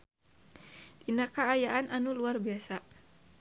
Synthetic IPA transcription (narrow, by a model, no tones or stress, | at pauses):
dinakaːjaʔanʔanuluarbiasa